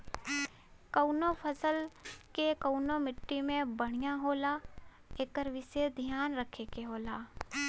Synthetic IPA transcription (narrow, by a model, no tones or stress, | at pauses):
kəʊnopʰəsəlkekəʊnomɪʈːimẽbəɽ̤̃ijaɦoːla | eːkəɾʋɪsed̪ʱjaːnɾəkʰekeɦoːlaː